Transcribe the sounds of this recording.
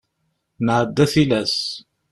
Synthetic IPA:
nəʕəd̪ːæθilæs

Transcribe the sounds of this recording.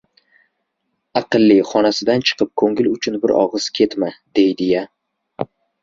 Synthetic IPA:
ɑqɨlˠːiχɒnasɪd̪ant͡ʃʰɨ̥qʰɨp̚kʰɵŋɪlʊt͡ʃʰʊnbɪɾɒ̰ʁɨz̥kʲʰe̞t̪mad̪̥ejd̪ɪja

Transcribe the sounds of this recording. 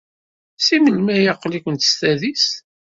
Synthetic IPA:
siməlmæjɑqːlikʷənt̪ə̥st̪æðis

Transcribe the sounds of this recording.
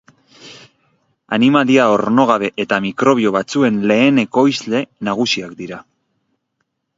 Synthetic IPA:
a̰nimaliao̞ɾno̞ɣ̞aβe̞ʔet̪amikɾo̞β̞io̞βat͡sue̞nle̞ːne̞ko̞izle̞naɣusiakd̪iɾa

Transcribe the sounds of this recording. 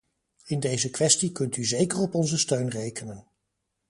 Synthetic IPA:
ɪndejzəkʋɛstikɵntyzejkərɔpɔnzəstøɥnrejkənən

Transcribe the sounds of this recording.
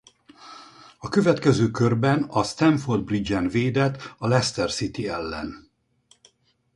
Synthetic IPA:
ɒkøvɛt̪kɛzøːkørbɛnɒst̪ɛɱford̪̚brid͡ʒɛnveːd̪ɛt̪ːɒlɛst̪ɛrsit̪iɛlːɛ̰n

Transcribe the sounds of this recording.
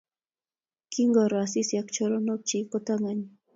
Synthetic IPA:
kɪŋɡoɾasisjakt͡ʃoɾonop̚t͡ʃikʊt̪aŋaɲ

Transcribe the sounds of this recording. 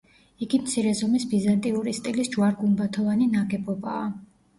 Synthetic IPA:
iɡimt̪sʰiɾɛzɔmisbizant̪ʼiuɾist̪ʼilisd͡ʒwaɾɡumbat̪ʰɔvaninaɡɛbɔba̰ː

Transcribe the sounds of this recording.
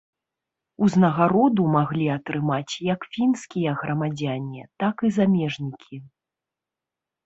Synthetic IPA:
uznɐɣaɾɔd̪umaɣlʲiɐt̪ɾɨmat͡sʲjɐkfʲinskʲijɐɣɾɐmad͡zʲanʲːit̪akɨzamʲɛʐnʲikʲʰi

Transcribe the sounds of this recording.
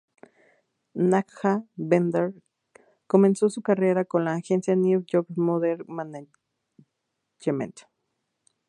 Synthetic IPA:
nakxabend̪eɾ | komensosukareɾakonlaːxensjaniwjokmoðeɾmana | t͡ʃemḛ̃nt̪

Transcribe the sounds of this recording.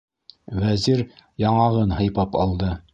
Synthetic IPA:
væziɾjɑɴɑʁɤnhɤ̆jpɑpɑlˠd̪ɤ

